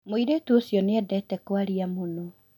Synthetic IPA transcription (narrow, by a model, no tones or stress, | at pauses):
moiɾetuosjɔneɛdɛtɛkwaɾiamono